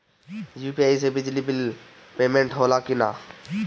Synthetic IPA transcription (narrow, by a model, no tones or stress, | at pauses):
juːpiaːisebɪd͡ʒlibɪl | peːmẽːɳʈɦoːlaːkʊna̰ː